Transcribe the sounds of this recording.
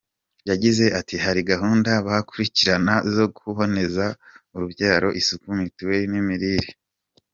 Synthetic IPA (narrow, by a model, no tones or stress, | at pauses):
jaɟize̞ʔatihaɾiɡaɦuːndaβahakuɾiciɾanazo̞ɡuuɦo̞ne̞zauɾuβjaːɾo̞ʔisukumitwe̞nimiɾiɾi